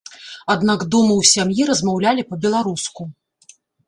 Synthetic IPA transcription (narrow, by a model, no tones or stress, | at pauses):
ad̪nakd̪umɨwsʲamjiɾɐzmawlʲalʲipɐbʲɛlˠaɾusku